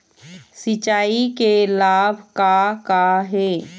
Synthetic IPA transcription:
sɪt͡ʃaːikelaːbʱkakaɦɛː

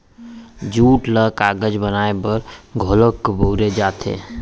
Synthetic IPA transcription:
d͡ʒuʈləkaɡəd͡ʒbənaebəɾɡʱoləkːbʱowɾed͡ʒat̪ʰḛ

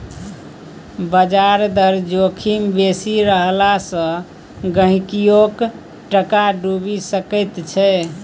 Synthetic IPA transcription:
bəd͡ʒaɾd̪əɾd͡ʒokʰimbesiɾəɦlasə̃ | ɡə̃ɦĩkijok | ʈəkaɖubisəkət̪t͡ʃʰɛ

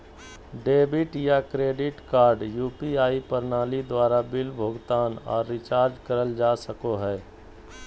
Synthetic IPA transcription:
ɖeːbɪʈjakɾeːɖɪʈkaːɾɖjuːpiaːipəɾnaːlid̪waːɾabɪlbʱoːɡt̪aːnɔ̰ːɾːɪt͡ʃaːɾd͡ʒkəɾəld͡ʒaːsəkoɦɛː

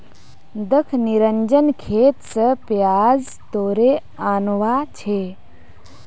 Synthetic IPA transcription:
d̪əkʰniɾəɲd͡ʒənkʰeːt̪səpjaːz | t̪oːɾe | aːnʋat͡ʃʰe

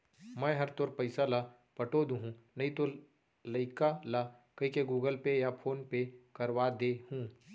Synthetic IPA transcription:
mɛ̃ɦɐɾt̪oːɾpɐɪsala | pɐʈoːd̪ũɦũnɐɦĩt̪o | ləɪkala | kɐɦikeɡuːɡəlpejapʰoːnpekɐɾwad̪ehũː

